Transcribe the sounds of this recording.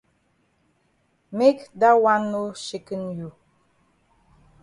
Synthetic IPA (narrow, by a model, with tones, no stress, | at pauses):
me˦kda˦wa˦nːo˦ʃi˨kə˦nju˨